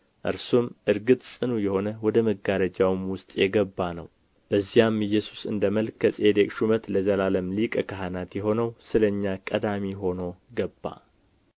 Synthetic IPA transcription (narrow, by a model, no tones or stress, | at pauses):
ʔɨ̰ɾsumʔɨɾɡɨt̪ʼsʼɨnujɛho̞nəwɔd̪əməɡaɾəd͡ʒawɨmwʊst̪ʼjɛɡəbːanə̰w | b̥əzːijamɨjːɛsu̥sɨ̰nd̪əməlkʰəsʼed̪ekʼʃumət̪ləzəlaləmlikʼəkʰaɦanat̪jɛɦo̞nəwsɨləɲːakʼəd̪amiɦo̞no̞ɡəbːa̰